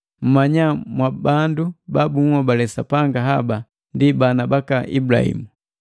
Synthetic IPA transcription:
m̩maɲamwabandubabuŋwɔbalɛsapaŋɡaɦaba | ndibanabakaʔḭbla̰hḭmu

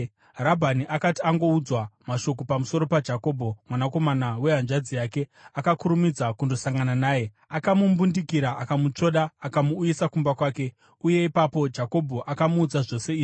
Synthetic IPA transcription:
ɾabʱaniʔakatiaŋɡo̞ud͡zwamaʃo̞k̬opamuso̞ɾo̞pad͡ʒako̞ːbʱo̞mwanako̞manawe̞ɦanʐad͡zijake̞akakuɾumid͡zakundo̞saŋɡananaːje̞ | akamumbundikiɾaakamut͡ʂo̞ɗaːkamuːjisakumbakwaːke̞ | uje̞ipapo̞d͡ʒako̞bʱo̞ʔakamuːd͡zaʐo̞se̞iːʐi

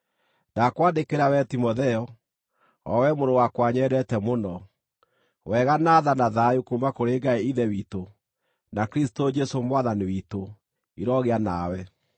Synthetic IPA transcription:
dakwaːndekeɾawɛtimɔðɛɔ | ɔ̰wɛmoɾowakwaɲɛɾɛtɛmonɔ | wɛɣanaːðanaðajukumakoɾeːɡaeiðɛwito | nakeɾisi̥tod͡ʒɛsomwaðaniwito | iɾɔɣeanawɛ

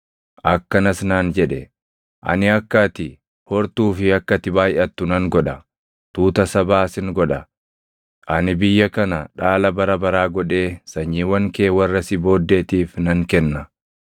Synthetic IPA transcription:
ʔɐkːɐnɐsnaːnd͡ʒɛᶑɛ | ʔɐ̰nɪɐkːat̪ɪ | hɔɾt̪uːfɪɐkːɐt̪ɪbaːjʔɐt̪ːʊnɐŋɡɔᶑɐ | t̪uːt̪ɐsɐbaːsɪŋɡɔᶑɐ | ʔɐnɪbɪjːɐkɐnɐᶑaːlɐbɐɾɐbɐɾaːɡɔᶑe̞ːsɐɲːiːwɐŋkeːwɐrːɐsɪbo̞ːd̪ːe̞ːt̪iːfnɐŋkɛnːɐ

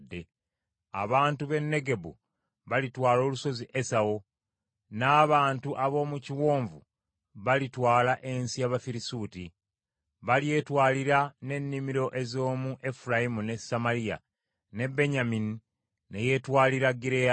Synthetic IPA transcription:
dːe̞ | a̰βaːntuβe̞nːe̞ɡe̞bṵ | βalitwaːlo̞ːluso̞ziʔe̞sawo̞ | naːβaːntuʔaβo̞ːmuciwo̞ːɱvu | βalitwaːlaʔe̞nsijaβafiɾisuːti | βalje̞twaːliɾane̞nːimiɾo̞ʔe̞zo̞ːmuʔe̞fuɾajimune̞samalija̰ | ne̞be̞ɲamini | neje̞twaːliɾaɡiɾea

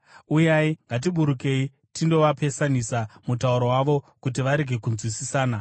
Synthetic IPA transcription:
ujaiŋɡat̬iɓuɾuke̞i | tindo̞ʋape̞sanisamutauɾowaʋo̞ | kut̬iʋaɾe̞ɡʱe̞kunzwisisaːna

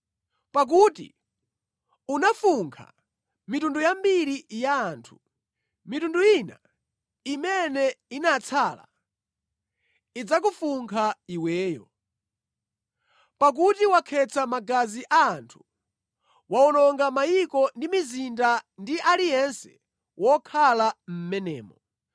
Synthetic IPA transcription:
pak̬utḭ | unafuŋkʰa̰ | mitundujambiɾijaːntʰu̥ | mitunduina | imɛnɛinat͡sʰaːla̰ | id͡zak̬ufuŋkʰaiwɛːjɔ̰ | pak̬utiwakʰɛt͡sʰamaɡaziʔaːntʰu̥ | waɔnɔŋɡamajikɔndimizindandiʔalijɛnsɛ | wɔkʰalam̩mɛnɛ̰ːmɔ

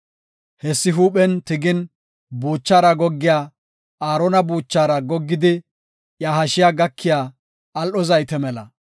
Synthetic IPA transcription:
hɛsːɪɦuːɓɛnt̪ɪɡɪn | buːt͡ʃːaːɾɐɡɔɡːɪjaː | aːɾɔnɐbuːt͡ʃːaːɾɐɡɔɡːɪd̪ɪ | jahɐʃɪjaːɡɐkʰːɪjaː | lʔɔzɐjt̪ɛmɛlɐ

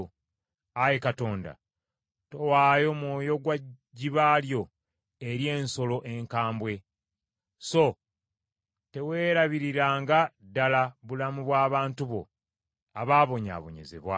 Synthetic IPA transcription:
ajekato̞ːnda̰ | to̞waːjo̞mwoːjo̞ɡwa | ɟiβaːljo̞ | eɾje̞ːnso̞lo̞ʔe̞ŋkaːmbwe̞ | so̞ | te̞we̞ːɾaβiɾiɾaːŋɡadalaβulamuβwaːβaːntuβo̞̰ | aβaːβo̞ɲa̰ːβo̞̰ɲe̞̰ze̞̰βwa̰

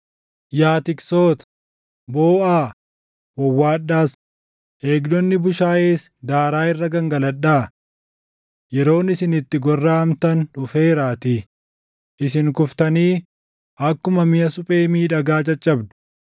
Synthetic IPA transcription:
jaːt̪ɪkso̞ːt̪ɐ̥ | boːʔaː | wɐwːaːᶑːaːs | ʔe̞ːɡd̪ɔnːɪbʊʃaːʔeːsd̪aːɾaːɪrːɐɡɐŋɡɐlɐᶑːaː | jɛɾo̞ːnɪsɪnɪt̪ːɪɡɔrːaːɐmt̪ɐnᶑʊfe̞ːɾaːt̪i | ʔɪsɪŋkʊft̪ɐniː | ʔɐkːʊmɐmɪjɐsʊpʼe̞ːmiːᶑɐɡaːt͡ʃʼɐt͡ʃʼːɐbd̪ʊ̥

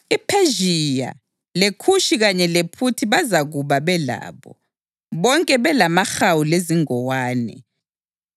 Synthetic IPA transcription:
ipʰeʒija̰ | lekʰuʃiɣaɲɛlepʰutʰiβazaɣuβaβɛla̰ːβɔ̰ | βɔŋkʼɛβɛlamaxawuleziŋɔwaːnɛ̰

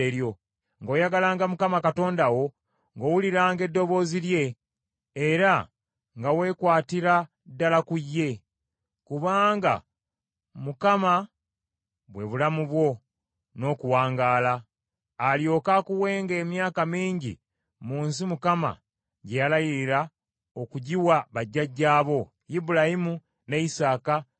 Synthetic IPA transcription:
eɾjo̞ | ŋɡo̞ːjaɡalaːŋɡamukamakato̞ːndawo̞ | ŋɡowuliɾaːŋɡe̞dːo̞βo̞ːzilje̞ː | ɾa | ŋɡawe̞ːkwaːtiɾa | dːalakujːe̞ | kuβaːŋɡa̰ | mukama | βwe̞βulamuβwo̞ | no̞ːkuwaːŋɡaːlaː | ljo̞ːkakuwe̞ːŋɡe̞ːmjaːkamiːɲɟḭ | muːnsimukama̰ | ɟejalajiɾiɾa | o̞kuɟiwaβaɟːaɟːaːβo̞ | jibulahimu | ne̞isaːka

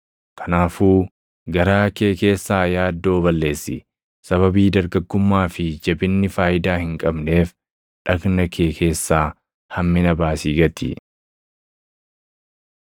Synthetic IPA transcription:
kʰɐ̥naːfuː | ɡɐɾaːkeːke̞ːsːaːjaːd̪ːo̞ːβɐlːe̞ːsːɪ̰ | sɐβɐbiːd̪ɐɾɡɐɡːʊmːaːfɪd͡ʒɛbɪnːɪfaːjɪd̪aːhɪŋkʼɐbne̞ːf | ᶑɐɡnɐkʰe̞ːkʰe̞ːsːaː | hɐmːɪnɐbaːsiːɡɐt̪ḭ

